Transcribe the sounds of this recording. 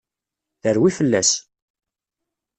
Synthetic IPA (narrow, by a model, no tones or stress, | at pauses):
θəɾwifəlːæs